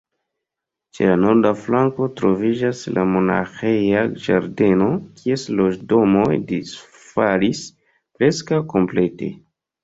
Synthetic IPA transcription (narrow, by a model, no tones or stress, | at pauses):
t͡ʃe̞̰lano̞ɾdaflaŋko̞tɾo̞vid͡ʒasla̰mo̞na̰xejad͡ʒa̰ɾde̞no̞kʰie̞slo̞ʒdo̞mo̞jdis | falis | pɾe̞skawko̞mple̞te̞̰